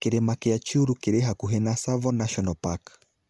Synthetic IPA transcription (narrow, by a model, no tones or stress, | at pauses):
keɾɛmakɛat͡ʃiuɾukeɾɛɦakuɦɛnasavɔnaʃɔnalpak